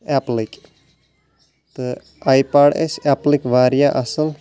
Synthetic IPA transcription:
ɛplik | t̪ɨ | aːjpaːɖḛsɛːplikʋaːɾjaʔɐsəl

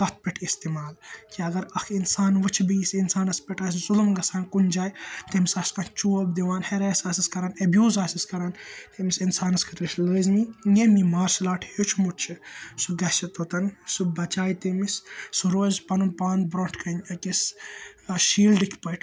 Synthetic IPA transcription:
k̪ɐt̪̚ʰpeʈʰkist̪imaːlkiɐɡɐɾɐxʰinsaːnʋɐt͡ʃʰbijsinsaːnɐspeʈɐszulumɡɐsaːnkund͡ʒaːjt̪emisɐːskant͡ʃuːɐbd̪iʋaːnheɾɛːsaːsiskɐɾaːnɐbjuːzaːsiskɐɾaːnt̪emisinsaːnɐskʰɐt̪ɾisləːzmijemimaːɾslaːʈʰjot͡ʃʰmuʈt͡ʃʰisuɡɐʃɐt̪ot̪ɐnsubɐt͡ʃaːjt̪emissuɾoːzpɐnunpaːnbɾoːʈʰkɐnɐkis | ʃiːlɖikʰpɐʈʰ

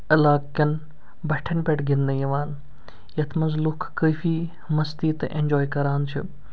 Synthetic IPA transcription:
ɐlaːkːɐn | bɐʈʰɐnpʲeʈɡɪnd̪ɐjɐʋaːn | jɐt̪ʰmɐnzlukʰːəːfiː | mɐst̪iːt̪ʔḛnʲd͡ʒoːjkɐɾaːnt͡ʃʰḭ

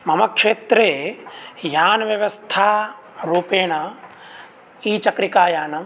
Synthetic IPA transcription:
mɐmɐkʂeːt̪ɾeː | jaːnɐʋjɐʋɐst̪ʰaː | ɾuːpeːɳɐ | iːt͡ʃɐkɾikaːjaːnɐ

